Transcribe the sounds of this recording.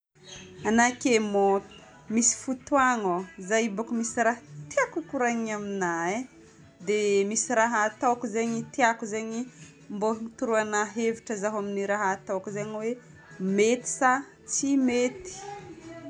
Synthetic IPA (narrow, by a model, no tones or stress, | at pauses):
anakemot̪ | misi̥fut̪waŋozajibakumisiɾaɦt̪iakukuɾaɲaminae | d̪emisiɾaɦaat̪awkuzaɲit̪iakuzaɲi | mboɦunit̪uɾuanaɦeviʈ͡ʂəzaɦaminiɾaɦaat̪awkuzaɲwe | met̪i̥sa | t͡simet̪i̥